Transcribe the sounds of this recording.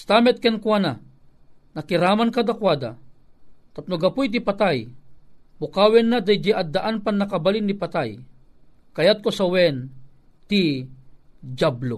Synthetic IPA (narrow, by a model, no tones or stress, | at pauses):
st̪amɛt̪̚kɛnkwana | nakɪɾaːmankad̪akwad̪a̰ | t̪ap̚noɡapʊjt̪̬ipat̪aj | mʊkawɛnːad̪ajd͡ʒiʔad̪ːaʔanpanːakabalinːipat̪aj | kajat̪̚kosawɛn | t̪i | d͡ʒablo